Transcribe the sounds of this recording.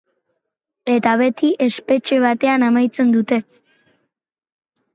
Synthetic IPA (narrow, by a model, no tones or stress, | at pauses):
e̞t̪aβe̞t̪iʔe̞spe̞t͡ʃe̞β̞at̪e̞anamajt͡se̞nd̪ut̪e̞